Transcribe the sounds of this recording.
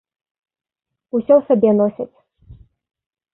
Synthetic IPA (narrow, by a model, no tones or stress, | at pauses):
usʲɔwsabʲɛnɔsʲɐt͡sʲ